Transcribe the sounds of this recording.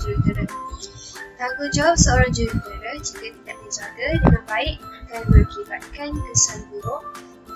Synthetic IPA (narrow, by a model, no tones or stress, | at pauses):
d͡ʒuɾuɡəɾə | t̪aŋɡod͡ʒawap̚səoɾaŋd͡ʒuɾəɡəɾəd͡ʒikat̪idaʔ̚bəd͡ʒaɡadiməmbaɪʔakanməkibat̪̚kankəsanbuɾʊʔ